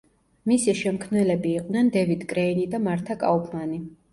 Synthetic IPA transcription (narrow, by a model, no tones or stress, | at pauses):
misiʃɛmkʰmnɛlɛbiːqʼnɛnd̪ɛvid̪kʼɾɛinid̪amaɾt̪ʰakʼa̰upʰmani